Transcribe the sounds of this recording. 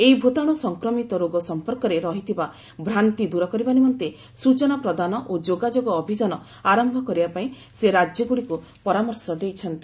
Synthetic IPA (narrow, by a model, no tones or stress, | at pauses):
eibʱot̪aɽ̃ɔsɔŋkɾɔmit̪ɔɾoɡɔsɔmpɔɾkɔɾeɾɔɦit̪ʰiba | bʱɾant̪id̪uɾɔkɔɾibanimɔnt̪e | sut͡ʃɔnɔpɾɔd̪anɔʔod͡ʒoɡad͡ʒoɡɔːbʱid͡ʒɔnɔ | aɾɔmbʱɔkɔɾibapaĩ | seɾad͡ʒjɔɡuɽiku | pɔɾamɔɾsɔd̪ejt͡ʃʰɔnt̪i